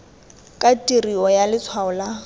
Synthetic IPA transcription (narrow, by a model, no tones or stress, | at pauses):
kʼatʼiriɔjalɪt͡sʰwaʊla